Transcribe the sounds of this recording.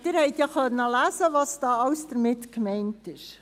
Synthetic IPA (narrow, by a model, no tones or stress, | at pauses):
d̥ɪɾhɛɪtjɑχœnːəlæːzəvɑːsd̥ɑːɑwsd̥əɾmɪtkmɛɪntɪʃ